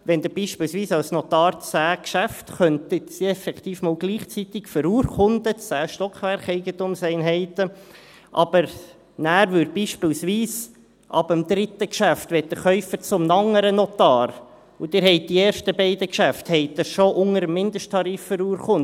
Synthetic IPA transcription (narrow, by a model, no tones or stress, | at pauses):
ʋɛnd̪ɪɾb̥iːʃpɪːlsʋiːsɑwsnɔt̪ɑːɾt͡sæːkʃæftχœntətsiɛfɛkt̪iːfmɔːlɡ̥liːχt͡sit̪ɪkfəɾuːɾχʊnd̥̪ət͡sæːʃtɔkχʋɛɾχɛɪɡənt̪umsɛɪnɦɛɪtə | ʔɑb̥əɾ | næːɾvʏɾbiːʃpɪːlsʋiːs | ʔɑ̰bəmd̪ɾɪt̪əkʃæft̪ʋɛtdəχœʏfət͡sʊmnɑŋːəɾənɔt̪ɑːɾ | ud̥ɪɾɦɛɪt̚d̥ieːɾʃtəbɛɪd̪əkʃæfthɛɪt̚dəʃoʔʊŋəɾəmːɪnd̪əʃtʰːɑɾiːfːəɾuːɾχʊn